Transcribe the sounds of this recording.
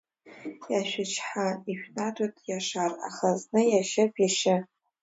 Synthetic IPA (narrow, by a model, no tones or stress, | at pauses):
jaʃʷᶣɪt͡ʃʰħaiʃʷᶣnatʷʼatʼjaʂara̰χaznɨjaʃɪpʰʼjaʃɪ